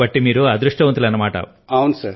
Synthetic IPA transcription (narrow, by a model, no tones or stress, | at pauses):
ɐʈːimiːɾuɐd̪ɾuʂʈɐʋɐnt̪ulɐnːɐmaːʈɐ̰ | ɐwnsɐɾ